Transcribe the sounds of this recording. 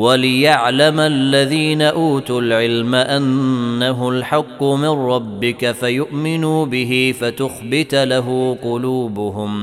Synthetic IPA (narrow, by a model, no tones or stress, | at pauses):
walɪjaʕlamalːaðiːnaʔuːt̪ʊlʕɪlmaʔanːaɦʊlħɑqːʊmɪnɾːɑbːɪkafajʊʔmɪnuːbɪɦɪfat̪ʊxbɪt̪laɦʊːqʊluːbʊɦʊm